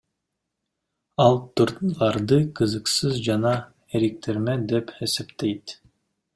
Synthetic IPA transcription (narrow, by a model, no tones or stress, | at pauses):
ɑlˠt̪uɾt̪lˠɑɾd̪ɯqʰɯzɯqsɯzd͡ʒɑnɑ | eɾik̚t̪ʰeɾmed̪e̞pesept̪ejt̪